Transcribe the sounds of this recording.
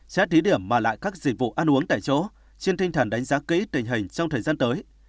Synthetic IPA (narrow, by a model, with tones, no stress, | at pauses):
t͡ɕaː˧˦˥t̪i˨˦ɗi˧˩əmːaː˨˩la̰ː˧˨jkaː˦˥k̚zï˨˩k̚vṵ˧˨ʔaː˧nʔu˨˦əŋt̪a̰ː˧˨jt͡ɕɔ˧˦˥ | t͡ɕe˧nt̪ʰi˧ŋ̟t̪ʰaː˨˩nɗa˨˦ŋzaː˨˦kḭ˧˥t̪ï˨˩ŋ̟ɦï˨˩ŋ̟t͡ɕɔ˧wŋ͡mt̪ʰəː˨˩jzaː˧nt̪əː˨˦j